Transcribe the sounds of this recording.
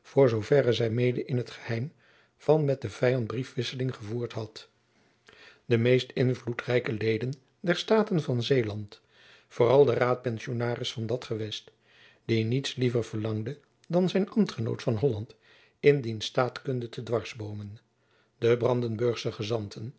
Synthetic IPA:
v̥ʊːɹzowvɛrəzɛjmejdəʔɪnətχə̥hɛjm | v̥ɑnmɛt̚dəv̥ɛjɑntbrifʋɪsəlɪŋχəvuːɹtɦɑt | d̥əmejstɪnvlutrɛjkəlejdən | dɛɹstaːtənvɑnzejlɑnt | fʊːrɑlˠdəraːt̚pɛnsionaːrɪsfɑndɑtχəʋɛst | d̥initslivəɹv̥əɹlɑŋdə | dɑnzɛjnɑmtχəno̰wtfɑnɦɔlɑnt | ɪndinstaːtkɵndətʰədʋɑɹzbowmən | dəbrɑndənbɵɹχsəχəzɑntʰən

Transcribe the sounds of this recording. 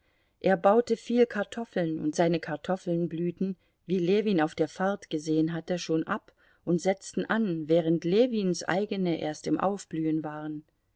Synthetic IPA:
ʔeːɐbaʊtəfiːlkʰaɐtʰɔfl̩nʊ̰ntz̥aɪnəkʰaɐtʰɔfl̩nblyːtn̩ | viːleːviːnaʊfd̥eːɐfaɐtɡ̥əzeːənɦatəʃoːnʔap | ʔʊntz̥ɛt͡stn̩ʔanvɛːʁ̞əntleːviːnsʔa̰ɪɡənəʔḛːɐstɪmʔa̰ʊfb̥lyːənvaːʁən

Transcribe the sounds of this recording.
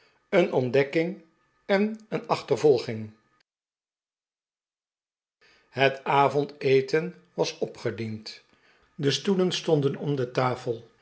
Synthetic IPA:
ənʔɔndɛkɪŋ | ɛnənɑχtəɹvɔlˠχɪŋ | ɦətaːvɔntejtən | ʋɑsɔpχədint | dəstulənstɔndənɔmdətaːfəlˠ

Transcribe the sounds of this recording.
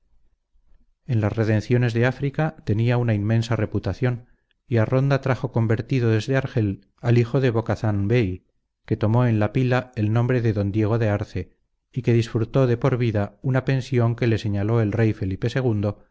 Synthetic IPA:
e̞nlasre̞ðe̞nθjo̞ne̞zðeafɾikat̪e̞niaunaimːẽ̞nsare̞put̪aθjo̞n | iaro̞nd̪at̪ɾaxo̞ko̞mbe̞ɾt̪iðo̞ðe̞zðe̞aɾxe̞l | alixo̞ðe̞βo̞kaθanbej | ke̞t̪o̞mo̞e̞nlapilae̞lnõmbɾe̞ðe̞ðo̞nd̪je̞ɣ̞o̞ðe̞aɾθe̞ | ike̞ðisfɾut̪o̞ðe̞po̞ɾβiðaunape̞nsjo̞ŋke̞le̞se̞ɲalo̞e̞lre̞jfe̞lipe̞se̞ɣ̞und̪o̞

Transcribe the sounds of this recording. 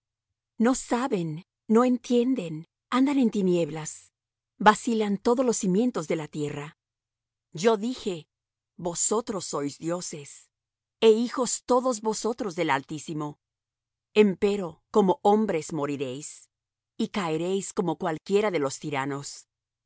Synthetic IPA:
no̞saβe̞nː | o̞e̞nt̪je̞nd̪e̞n | and̪ane̞nt̪inje̞βlas | basilant̪o̞ðolo̞simje̞nt̪o̞zðe̞lat̪je̞ra | d͡ʒo̞ðixe̞ | bo̞so̞t̪ɾo̞sːo̞jzd̪jo̞se̞s | eixo̞st̪o̞ðo̞zβo̞so̞t̪ɾo̞zðe̞lalt̪isimo̞ | empe̞ɾo̞ko̞mo̞ʔo̞mbɾe̞zmo̞ɾiɾe̞js | ikaeɾe̞jsko̞mo̞kwalkje̞ɾaðe̞lo̞st̪iɾano̞s

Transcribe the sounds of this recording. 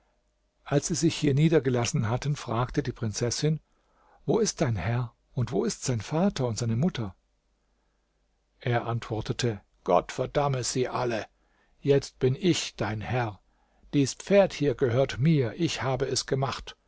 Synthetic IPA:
ʔalsz̥iːzɪçhiːɐniːdɐɡəlasn̩ɦatənfʁ̥aːktədiːpʁ̥ɪnt͡sɛsɪn | voːɪst̚d̥aɪnhɛɐ | ʊntv̥oːɪstz̥aɪnfaːtɐʊntz̥aɪnəmʊtʰɐ | ʔeːɐʔantv̥ɔɐtətʰə | ɡ̥ɔ̰tfɛɐdaməz̥iːʔalə | jɛt͡st̚b̥ɪnɪçd̥aɪnhɛʁ | d̥iːsp͡feːɐthiːɐɡəhøːɐtmiːɐʔɪçhaːbəɛsɡ̥əmaχt

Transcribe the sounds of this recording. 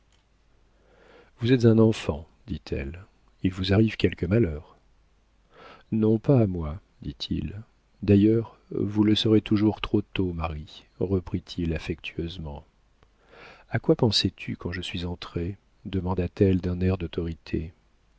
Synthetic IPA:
vuzɛt̪zɛ̃nɑ̃fɑ̃ | d̪it̪ʰɛ̰l | ilvuzaʁivkʲɛlkəmalœːʁ | nɔ̃paːmwa | d̪it̪ʰḭl | d̪ajœʁ | vuləsəʁet̪uʒuʁt̪χot̪omaʁi | ʁəpχit̪ʰilafɛk̚t̪ʰyøzmɑ̃ | akwapɑ̃sɛt̪ʰykɑ̃ʒəsɥizɑ̃t̪χe | d̪əmɑ̃d̪at̪ɛld̪ɛ̃nɛʁd̪ɔt̪ɔʁit̪ʰḛ

